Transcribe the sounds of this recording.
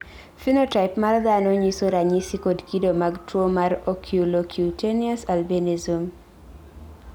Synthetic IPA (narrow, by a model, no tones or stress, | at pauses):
finotaɪpmard̪anɔɲisoɾaɲisikodkidomaɡtwomarokʰjulokʰjuteniasalbenizum